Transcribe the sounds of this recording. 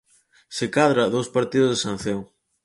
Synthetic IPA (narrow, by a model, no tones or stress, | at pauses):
sekaðɾaðowspaɾt̪iðʊzðesan̟θew